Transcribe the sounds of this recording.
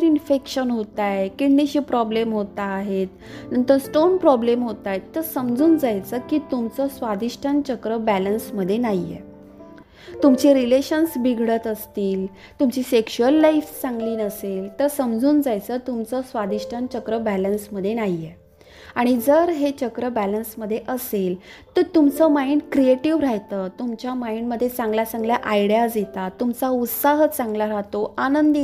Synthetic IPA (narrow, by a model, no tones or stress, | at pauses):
ɾinfekɕənɦot̪ajkiɽniɕiːpɾɔblemɦot̪aːɦet̪̚ | nənt̪əɾsʈonpɾɔblemɦot̪ajt̪ːəɾsəmd͡zuːnd͡zajt͡səːkiːt̪umt͡səsʋad̪iʂʈʰant͡ɕəkɾəbælənsməd̪ʱːjenajjḛ | t̪umt͡ɕiɾileɕənsbiɡʱɽət̪əst̪iːl | t̪umt͡ɕiːsekɕuəlːajft͡sãŋɡliːnəselt̪əɾsəmd͡zuːnd͡zajt͡sət̪umt͡səsʋad̪iɕʈʰənt͡ɕəkɾəbælənsməd̪ʱːjenaje | aɽ̃id͡zəɾɦet͡ɕəkɾəbælənsməd̪ʱːjeʔəselt̪əɾt̪umt͡səmaiɳkɾieʈiʋɾaɦt̪əːt̪umt͡ɕjamaiɳməd̪ʱːjet͡sãŋɡlasaŋɡljaʔajɽijasjet̪at̪ːumt͡saut̪saɦət͡sãŋɡlaɾaɦt̪oanənd̪i